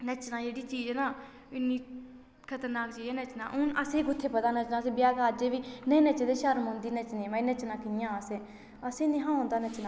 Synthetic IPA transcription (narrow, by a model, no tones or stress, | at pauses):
nət͡ʃnãːd͡ʒeːɽiːt͡ʃiːd͡ʒɛːnaː | ɪnːĩː | kʰət̪əɾnːaːkt͡ʃiːd͡ʒɛːnət͡ʃnã̰ːʔʊnəsẽːkʊt̪ʰːeːpət̪aːnət͡ʃnãːseːbɪjaːɡaːd͡ʒeːʋiːnɛ̃ːnət͡ʃd̪eːʃəɾmõːnd̪iːnət͡ʃnẽːməĩːnət͡ʃnãːkɪnɪjãːəsẽː | əsẽːnĩːɦãːʊ̃ːnd̪aːnət͡ʃnãː